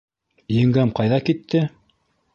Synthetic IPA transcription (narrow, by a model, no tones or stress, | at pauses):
jɘ̆ŋɡæmqɑjðɑkit̪ʰːɘ